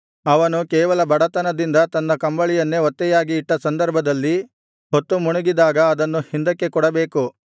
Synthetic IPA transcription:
ɐʋɐnukɛːʋɐlɐbɐɽɐt̪ɐnɐd̪ind̪ɐt̪ɐnːɐkɐmbɐɭijɐnːeɔt̪ːɛjaːɡiːʈːɐsɐnd̪ɐɾbʱɐd̪ɐlːi | ɦot̪ːumuɳuɡid̪aːɡɐːd̪ɐnːuhind̪ɐkːe̞kɔɽɐbeːku

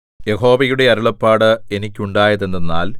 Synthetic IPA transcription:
je̞ho̞ːbɐjuɽe̞ɐɾuɭɐpːaːɽɨe̞nikʲːuɳɖaːjɐðend̪enːaːl

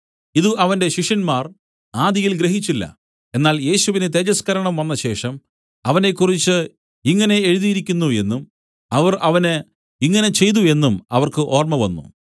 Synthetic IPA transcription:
iðuʔɐʋɐnde̞ɕiʂɐnmaːr | aːd̪ijilɡɾe̞ɦit͡ɕːilːɐ̰ | e̞nːaːlje̞ːɕuʋinet̪̬ed͡ʑɐskɐɾɐɳɐmʋɐnːɐɕe̞ːʂɐm | ɐʋɐne̞kːurit͡ɕːɨ | iŋːɐne̞eɻuðijiɾikʲːunːue̞nːum | ɐʋɐrɐʋɐnɨ | iŋːɐne̞t͡ɕe̞jt̪̬ue̞nːumɐ̰ʋɐrkɨʔo̞ːrmɐʋɐ̰nːṵ

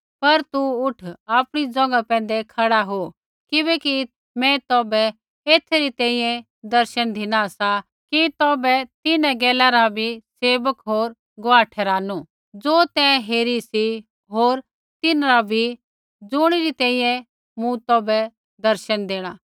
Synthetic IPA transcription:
pɐɾt̪uʊʈʰaːpɽ̃id͡zɔ̃ːŋɡapɛ̃ːnd̪ekʰɐɽaɦo | kɪβɛːki | mɛ̃t̪ɔːbɛ | eːt̪ʰeɾit̪ɛ̃ːĩjɛ̃ | d̪ɐɾʃənd̪ʱɪnaɐsa | kit̪ɔːbɛt̪ɪnɛ̃ɡɛːlãɾabʱiseːbəkɦoːɾ | ɡoaːʈʰɛːɾaːnu | d͡zoːt̪ɛ̃ːɦeːɾisi | ɦoːɾ | t̪ɪnɾabʱi | d͡zʊːɽ̃iɾit̪ɛ̃ːĩjɛ̃ | mũt̪ɔːbɛ | d̪ɐɾʃənd̪eːɽ̃aː

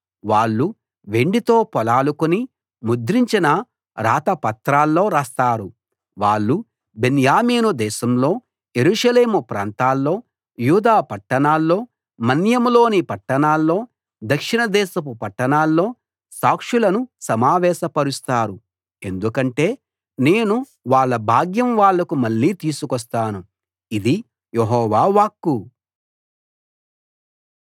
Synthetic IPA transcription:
ʋaːɭːu | ʋe̞ɳɖit̪o̞ːpɔlaːlukuni | mud̪ɾiɲt͡ʃinɐ | ɾaːt̪ɐpɐt̪ɾaːlːo̞ːɾaːst̪aːɾu | ʋaːɭːu | benjaːmiːnud̪ɛːʃɐmlo̞ː | je̞ɾuːʂɐle̞ːmupɾa̰ːnt̪aːlːo̞ː | juːd̪aːpɐʈːɐɳaːlːo̞ː | mɐnjɐmlo̞ːnipɐʈːɐɳaːlːo̞ː | d̪ɐkʂinɐd̪ɛːʃɐpupɐʈːɐɳaːlːo̞ː | saːkʂulɐnusɐmaːʋɛːʃɐpɐɾust̪aːɾu | e̞nd̪ukɐɳʈe̞ː | ne̞ːnu | ʋaːɭːɐbʱaːɡjɐmʋaːɭːɐkumɐɭːiːt̪iːsukɔs̬t̪aːnu | id̪i | jeɦɔːʋaːʋaːkːu

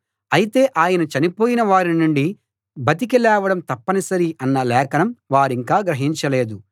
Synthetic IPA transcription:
ɐjit̪e̞ːʔaːjɐnɐt͡ʃɐnipoːjinɐʋaːɾinuɳɖi | bɐt̪̬ik̬ilɛːʋɐɽɐmt̪ɐpːɐnisɐɾiʔɐnːɐlɛːkɐnɐmʋaːɾiŋkaːɡɾɐɦiɲt͡ʃɐle̞ːd̪u

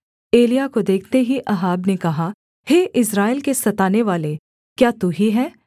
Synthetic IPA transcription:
eːlijakod̪eːkʰt̪eɦiʔɐɦaːbnekɐɦa | heːʔɪsɾaːɪlkesɐt̪aːneʋaːle | kjaːt̪uːɦiɦɛː

